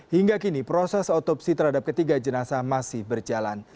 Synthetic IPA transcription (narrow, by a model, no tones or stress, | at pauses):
hiŋɡakinipɾosɛsot̪ɔpsit̪ərɦadap̚kət̪iɡad͡ʒənasamasɪhbərd͡ʒalan